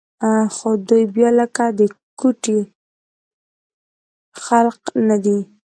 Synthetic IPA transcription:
axod̪ujbjɑləkad̪əkuʈi | xalqnad̪i

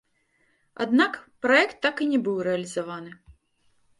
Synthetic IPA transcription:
a̰d̪nakpɾɔɛkt̪ːakinʲɛbɨwrɛɐlʲizavanɨ

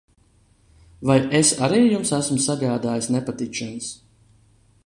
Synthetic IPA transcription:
vajesaɾiːjumsæsmsaɡaːd̪aːjisnɛpat̪it͡ʃʃans

